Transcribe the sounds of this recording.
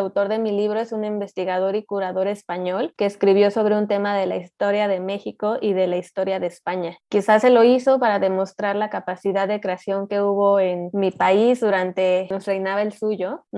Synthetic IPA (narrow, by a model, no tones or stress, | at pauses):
awt̪o̞ɾðe̞miliβ̞ɾo̞e̞sunĩmbe̞st̪iɣað̞o̞ɾikuɾaðo̞ɾe̞spaɲo̞lke̞ːskɾiβ̞jo̞so̞β̞ɾe̞unt̪̬e̞maðe̞laist̪o̞ɾjað̞e̞me̞xiko̞ʔiðe̞laist̪o̞ɾjaðe̞spaɲakisasːe̞lo̞iso̞paɾaðe̞mo̞st̪ɾaɾlakapasiðaððekɾe̞asjo̞ŋke̞uβo̞e̞nmipaizðuɾant̪e̞nosrejnaβae̞lsuʝo̞n